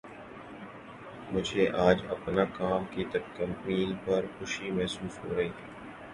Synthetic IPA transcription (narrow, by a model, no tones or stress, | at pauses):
mʊd͡ʒʱeʔaːd͡ʒɐ̰pnakaːmkit̪ɐb̚kɐ̃mpniːlpɐɾxʊʃimɛɦsuːsɦoːɾɐɦiːt̪ʰɛː